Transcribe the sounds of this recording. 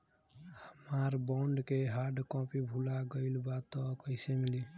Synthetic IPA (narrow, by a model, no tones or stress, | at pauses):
həmaɾbɔ̃ɳɖkeɦaɾɖkɔ̃pibʱulaɡəɪlbat̪ːɔkəɪsemili